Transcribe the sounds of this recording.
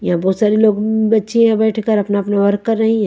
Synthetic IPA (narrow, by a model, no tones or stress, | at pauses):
jɐɦãbɔːt̪saːɾiloːɡbɐtːʃeabɛːʈʰkəɾɐpnaɐpnaʋɐɾkkːɐɾːɐɦĩɦɛ̃ː